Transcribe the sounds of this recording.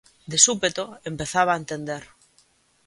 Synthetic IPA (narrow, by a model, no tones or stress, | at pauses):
d̪esupet̪oempeθaβ̞aent̪end̪eɾ